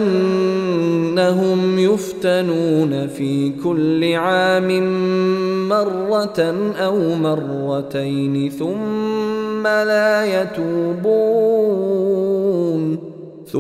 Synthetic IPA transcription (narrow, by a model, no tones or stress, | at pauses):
ʔan | aɦʊmjʊft̪anuːnafiːkʊlːɪʕaːmɪnː | ɑrˤːɑt̪nʔawmɑrˤːɑt̪ajnɪθʊmː | alaːjat̪uːbuː | n